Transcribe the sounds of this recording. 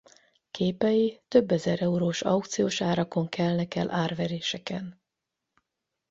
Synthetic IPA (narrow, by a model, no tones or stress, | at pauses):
kʰeːpɛjit̪ø̞bːɛzɛɾɛuɾoːʃɒ̰wk̚t̪sijoːʃaːɾɒko̞ŋkɛlnɛkɛlʔaːrvɛɾeːʃɛkɛn